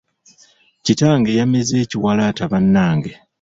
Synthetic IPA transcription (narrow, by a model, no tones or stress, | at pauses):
citaːŋɡe̞jameze̞ːciwalataβanːaːŋɡe̞